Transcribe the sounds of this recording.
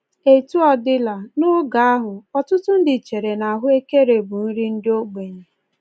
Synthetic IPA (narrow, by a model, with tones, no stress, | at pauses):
e˨tu˦ɔ˨dɪ˦la˨nʊ˦ɡa˨˦a˦ɦʊ˨ɔ˨tʊ˦tʊ˦n̩˦dɪ˨t͡ʃe˨ɾe˨na˨ɦʊ˦e˦ke˦ɾe˨bʊ˨n̩˦ɾi˦n̩˦dɪ˦o˦ɡ͡be˨ɲe˨